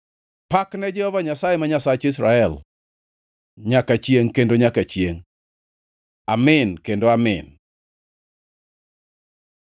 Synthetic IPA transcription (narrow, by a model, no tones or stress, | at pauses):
paknɛd͡ʒɛhɔvaɲasajemaɲasat͡ʃɪsɾaɛl | ɲakat͡ʃjeŋkendoɲakat͡ʃjeŋ | amɪnkendoamɪ̰n